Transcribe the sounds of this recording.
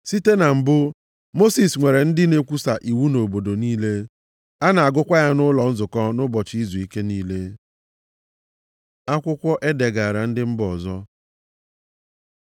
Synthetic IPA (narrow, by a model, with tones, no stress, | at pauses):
si˦te˦na˨m̩˨bʊ˦ | mo˦si˨sŋʷe˨ɾe˨n̩˦dɪ˦ne˦kʷu˦sa˨ʔi˨wu˦no˨bo˨do˨niː˦le˦ | a˦na˨a˨ɡʊ˦kʷa˦ja˦nʊ˦lɔ˨n̩˦zʊ˨kɔ˦nʊ˦bɔ˨t͡ʃɪ˦i˦zu˨i˦ke˦niː˦le˦ | a˦kʷʊ˦kʷɔ˦ʔe˦de˨ɡa˨ɾa˨n̩˦dɪ˦m̩˦bɔ˨zɔ˦